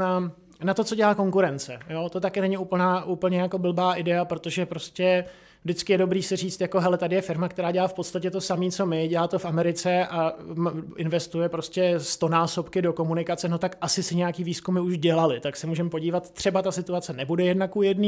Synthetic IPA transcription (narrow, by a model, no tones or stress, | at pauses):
a | nat̪o̞t͡so̞ɟɛlaːko̞ŋkuɾɛnt͡sɛ̰jo̞t̪o̞t̪akɛnɛɲɪʔuːp̩naːʔupl̩ɲɛjako̞bl̩baːʔɪdɛapɾo̞t̪o̞ʒɛpɾo̞scɛ | vdɪt͡skɪjɛdo̞bɾiːsɪr̝iːt͡st̪jako̞ɦɛlɛt̪adɪjɛfɪɾmakt̪ɛɾaːɟɛlaːfpot̪st̪acɛt̪o̞samiːt͡so̞mɪɟɛlaːt̪ofamɛɾɪt͡sɛʔamʔɪnvɛst̪ujɛpɾo̞scʲɛst̪o̞naːso̞pkɪdo̞ko̞munɪkat͡sɛno̞t̪akʔasɪsɪɲɛjakiːviːskumɪuʒɟɛlalɪt̪aksɛmuːʒɛmpo̞ɟiːvat̪t̪ːr̝̥ɛbat̪asɪt̪uat͡sɛnɛbudɛjɛdnakujɛdniː